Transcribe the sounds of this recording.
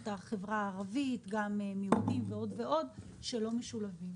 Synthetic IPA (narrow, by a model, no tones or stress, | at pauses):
t̪aχevʁaːʁavit̪ɡamemiudimveo̞dve̞o̞d | ʃe̞lo̞meʃulavim